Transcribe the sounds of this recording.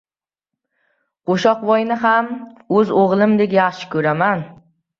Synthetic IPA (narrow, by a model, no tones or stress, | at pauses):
qʰoʃɒqvɒjnɪɦamɵzoʁlˠɪmd̪e̞kʲjɑχʃɪ̥kʰɵɾaman